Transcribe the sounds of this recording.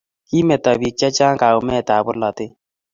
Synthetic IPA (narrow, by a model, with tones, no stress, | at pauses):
ki˦mɛ˨tɔ˨bi˨t͡ʃa˦t͡ʃa˦ŋka˨ʊ˨mɛ˦˨ta˨bʊ˦lɔ˨te˦